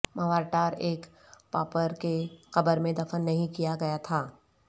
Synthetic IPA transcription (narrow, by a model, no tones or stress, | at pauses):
mɐʋaːɾʈaːɾeːk | pa̰ːpəɾkexɐbəɾmẽd̪ɐfənːɐɦĩkijaɡɐjat̪ʰaː